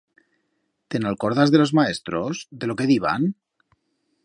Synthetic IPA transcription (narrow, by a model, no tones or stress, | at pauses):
t̪enalkoɾðazðelozmaest̪ɾozðelokeðiβ̞a̰n